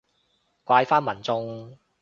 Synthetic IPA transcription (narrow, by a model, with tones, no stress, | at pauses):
kʷaː˧jfaː˥nmɐ˨˩nt͡sʊ˧ŋ